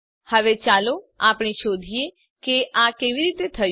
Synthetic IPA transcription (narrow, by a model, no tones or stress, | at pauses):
hɐʋet͡ʃaːlo | aːpɽ̃eʃoːd̪ʱie | keʔaːkeːʋiɾiːt̪et̪ʰə